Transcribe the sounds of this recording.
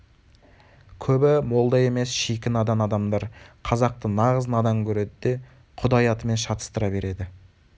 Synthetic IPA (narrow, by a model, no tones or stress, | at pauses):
kʲʰɵbɪmo̞lˠd̪ɑje̞me̞sʃikʲɪnɑd̪ɑnɑd̪ɑmd̪ɑɾqʰɑzɑq̚t̪ənɑʁəznɑd̪ɑmkʲʰɵɾe̞d̪ɪd̪e̞ | qʰʊd̪ɑjɑt̪əme̞nʃɑt̪ə̥st̪əɾɑbe̞ɾe̞d̪ɪ